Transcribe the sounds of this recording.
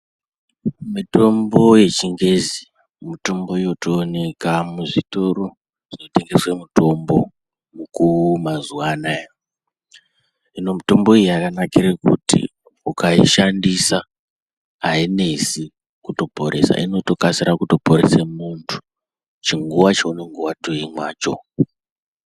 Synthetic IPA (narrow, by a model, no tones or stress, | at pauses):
mito̞mbo̞je̞t͡ʃiŋɡe̞zi | muto̞mbo̞ijotoːne̞kamuʐito̞ro | ʐino̞te̞ŋɡe̞swemuto̞mbo̞ | mukumazuwanaj | ino̞muto̞mbo̞ijeakanakiɾekṵtḭ | ukaiʃandisa | ɦaine̞si | kuto̞po̞ɾʔe̞̰sa̰ʔino̞to̞kasiɾakuto̞po̞ɾesemuntʰu̥ | t͡ʃiŋɡuʋat͡ʃaune̞ŋɡuʋatoimwaːt͡ʃo̞̰